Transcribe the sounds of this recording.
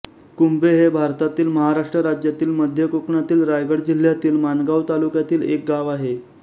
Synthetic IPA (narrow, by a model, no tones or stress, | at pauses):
kumbeɦebʱaɾt̪at̪iːlməɦaɾaʂʈɾəɾad͡ʑjat̪iːlməd̪ʱjəkokɳat̪iːlɾajɡəɽd͡ʑil̤jat̪iːlmanɡaʋt̪alukjat̪iːlek̚ɡaʋaɦe